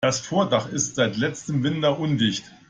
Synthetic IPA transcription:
asfoːɐdaχɪstz̥aɪtlɛt͡stəmvɪndɐʔʊndɪçt

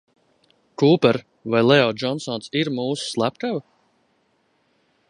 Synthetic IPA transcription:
kuːpɛɾ | vajlˠɛɔd͡ʒɔnsɔnsiɾmuːsu̥slˠæpkava

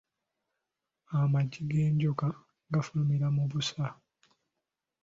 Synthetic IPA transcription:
amaɟːiɡeːɲɟoka | ɡafulumiɾamuβusa

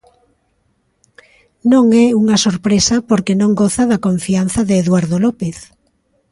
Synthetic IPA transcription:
nõŋɛuŋɐsoɾpɾesapoɾkenõŋɡoθaðakoɱfian̟θɐðeːðwaɾðolɔpeθ

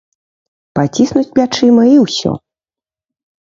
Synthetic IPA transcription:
pat͡sʲisnut͡sʲpʲlʲat͡ʂɨmɐiwsʲɔ̰

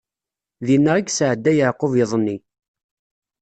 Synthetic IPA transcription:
ðinːəʁaɡsəʕəd̪ːæjəʕqoveðˤənːi

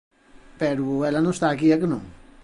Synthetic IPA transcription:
peɾuelanõst̪akiakənõ̰ŋ

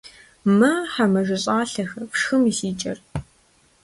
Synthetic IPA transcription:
mɐħamɐʒɪɕʼaːɬɐxɐpʂxɨmisiːt͡ʃʼɐ̰r

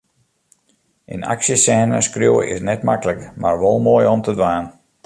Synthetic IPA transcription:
ʔəna̰ksjəsɛːnə̰skrjuwəʔɪ̰snɛtmakələkmarʋɔlˠmoəjɔmtədʋaːn

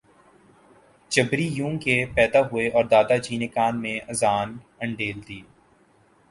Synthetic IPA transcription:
t͡ʃɐbɾijũːŋkepɛːd̪aɦʊeʔɔːɾd̪aːd̪ad͡ʒiːnɪkaːnmẽʔɐzaːn | ɐ̃ɳɖeːld̪iː

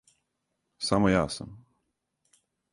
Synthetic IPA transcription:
saməjasə̰m

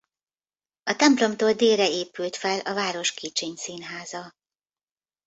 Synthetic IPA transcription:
ɒt̪ɛmplo̞mt̪oːld̪eːrɛeːpylt̪fɛlɒvaːɾo̞ʃkʰiːt͡ʃeːɲsiːnɦaːzɒ

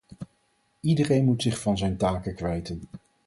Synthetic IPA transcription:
idərejnmutsɪχfɑnzɛjntaːkəkʋɛjtən

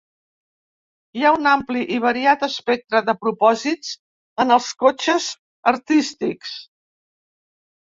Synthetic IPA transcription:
iaunampliʔiβ̞əɾiat̪əspɛk̚t̪ɾəðəpɾupɔzit͡s | ənəlˠskot͡ʃəz | əɾt̪ist̪iks

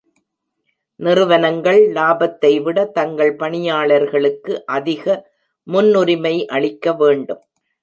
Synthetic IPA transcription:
nɪrɯʋɐnɐŋɡɐɭlaːbɐt̪ːɐɪʋɪɽɐt̪ɐŋɡɐɭpɐɳɪjaːɭɐɾɣɐɭɯkːɯʔɐðɪɣɐ | mʊnːʊɾɪmɐɪʔɐɭɪkːɐʋeːɳɖɯm

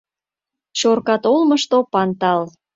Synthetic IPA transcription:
t͡ɕorkɑt̪olməʃt̪opɑnt̪ɑl

